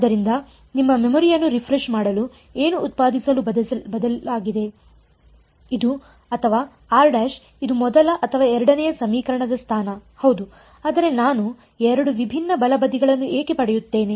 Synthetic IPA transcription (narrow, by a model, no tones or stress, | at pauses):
ɐd̪ɐɾind̪ɐ | nimːɐmemɔːɾijɐnːuɾipʰɾeʂmaːɽɐlu | e̞ːnuːt̪̚paːd̪ʱisɐlubɐd̪ɐaːɡid̪e̞ | id̪u | ɐt̪ʰɐʋaː | aːɾɖaːʃ | id̪umɔd̪ɐlɐʔɐt̪ʰɐʋaːɛɾɐɽɐnɛjɐsɐmiːkɐɾɐɳɐd̪ɐst̪ʰaːnɐhɐwd̪u | aːd̪ɐɾe̞naːnu | ɛɾɐɽuʋibʱinːɐbɐlɐbɐd̪iɡɐɭɐnːueːke̞pɐɽɛjut̪ːe̞ːne